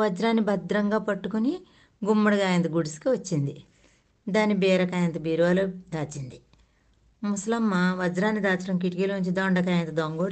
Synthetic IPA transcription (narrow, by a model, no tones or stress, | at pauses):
ʋɐd͡ʒɾaːnːibɐd̪ɾɐŋɡaːpɐʈːukuni | ɡumːɐɽɐɡaːjɐnt̪ɐɡuɽiskiʋɐt͡ʃːind̪i | d̪aːnːibɛːɾɐkaːjɐnt̪ɐbiːɾʋaːlud̪aːt͡ʃind̪i | muslɐmːɐʋɐd͡ʒɾaːnːid̪aːt͡ʃɐʈɐmk̬iʈikilʋuɲt͡ʃid̪ɔːɳɖɐkaːjɐnt̪ɐd̪oŋɡoːɽ